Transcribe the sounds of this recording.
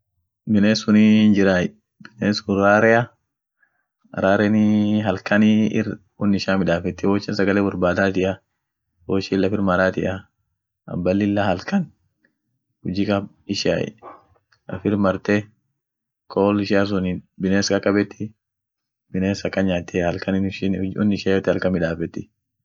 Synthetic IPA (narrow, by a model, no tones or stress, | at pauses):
bɪneːsʊnind͡ʒɪɾaj | bɪneːsʊɾaːɾɛjɐ | ɾaːɾɛnɪɦɐlkɐniɪ̰r | wʊnːɪʃaːmɪᶑaːfɛt̪ːɪwoːt͡ʃːɪnsɐɡɐleːbʊɾbaːd̪aːt̪ɪʔɐ | woːʃɪlːɐfɪɾmɐɾaːt̪ɪʔɐ | ʔɐ̰bːɐlːɪlːahɐlkɐn | hʊd͡ʒɪkʼɐ | ɪʃa̰ | ɐ̰fɪɾmɐɾt̪ɛ | kʰoːlɪʃɪɐs̬ʊnɪbɪneːskɐkʼːɐbɛt̪ːɪ | bɪneːsɐkːɐnɲaːt̪ːɛhɐlkɐnɪnʃɪnʊnːɪʃaːɔt̪ːɪhɐlkɐmɪᶑaːfɛt̪ːɪ